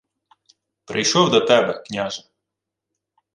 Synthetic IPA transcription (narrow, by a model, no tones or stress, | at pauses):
pɾɪjʃɔwd̪ɐt̪ɛbɛknʲaʒɐ